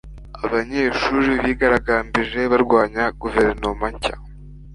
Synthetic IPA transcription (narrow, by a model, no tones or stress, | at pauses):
aβaɲe̞ːʃuːɾiβiːɡaɾaɡaːmbiʒe̞βaɾɡwaːɲaɡ̥uve̞ɾno̞maɲca̰